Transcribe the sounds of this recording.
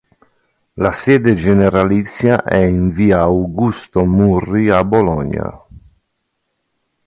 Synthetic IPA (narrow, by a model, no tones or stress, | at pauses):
lasɛːd̪ed͡ʒeneɾalit̪sːjaʔɛiɱviːaːwɡust̪omurːiabɔlɔɲa̰